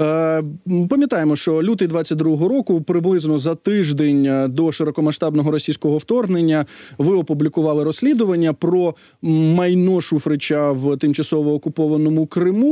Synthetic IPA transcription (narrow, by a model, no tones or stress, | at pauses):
pɐmʲjɐt̪ɑjemɔʃt͡ʃɔlʲut̪ɪjd̪ʋɑt͡sʲːɐt̚ʲd̪ɾuɦɔɦɔɾɔkʊpɾɪblˠɪznɔzɐt̪ɪʒd̪enʲd̪ɔʃeɾɔkɔmɐʃt̪ɑbnɔɦɔɾɔsʲijsʲkɔɦɔwt̪ɔrɦnenʲːɐʋɪɔpublʲikʊʋɑlˠɪɾɔsʲlʲid̪ʊʋɐnʲːɐpɾɔ | mɐjnɔʃufɾɪt͡ʃʲɐwt̪ɪmt͡ʃɐsɔʋɔːkʊpɔʋɐnɔmʊkɾɪmu